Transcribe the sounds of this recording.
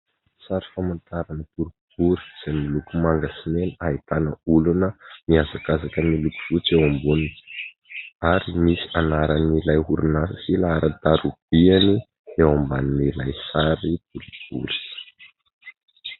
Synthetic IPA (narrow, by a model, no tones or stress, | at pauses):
saɾi̥famant̪aɾanət̪uɾub̥uɾi̥z̥ajmilukumaŋɡasinenait̪anəulunəmiazakazakəniluku̥fut͡sewambunini̥ | aɾimisi̥anaɾanilajɦuɾunasəsilaaɾʔət̪aɾub̥iani | ewambaninilajsaɾit̪uɾuɡ̥ṵɾi̥